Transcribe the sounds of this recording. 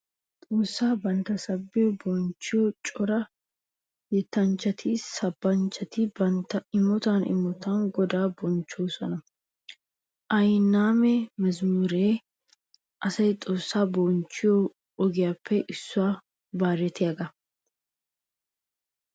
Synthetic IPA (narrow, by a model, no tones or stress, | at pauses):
t̪ʼoːsːaːbɐnt̪ɐsɐbːɪjɔbɔnt͡ʃːɪjɔt͡ʃʼɔɾɐ | jɛt̪ːɐnt͡ʃːɐt̪ʰɪsɐbːɐnt͡ʃːɐt̪ɪbɐnt̪ɐɪmɔt̪aːnʔɪ̰mɔt̪aŋɡɔd̪aːbɔnt͡ʃːoːsɔnɐ | ʔɐjnːaːmɛmɐzmuɾeː | ʔɐsɐjt̪ʼoːsːaːbɔnt͡ʃːɪjo | ɔɡɪjaːpːɛʔɪsːʊwaː | baːɾɛt̪ɪjɐɡɐ